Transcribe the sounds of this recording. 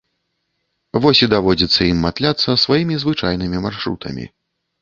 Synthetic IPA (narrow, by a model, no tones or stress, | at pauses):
vɔsʲid̪avɔd͡zʲit̪sːɐimːat̪lʲat̪sːɐsvajimʲizvɨt͡ʂajnɨmʲimarʂɾṵt̪ʰɐ̰mʲḭ